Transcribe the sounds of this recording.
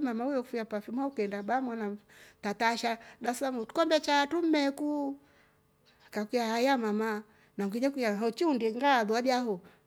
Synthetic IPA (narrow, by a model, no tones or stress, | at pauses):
mamaujɔkfiapafimaukɛndaɓamanatataʃaɗasamutu̥kɔmbɛt͡ʃatum̩mɛku | kakijahajamama | naŋɡiɲɛkijaɔt͡ʃiundiɛŋɡaðuaɗiaɦɔ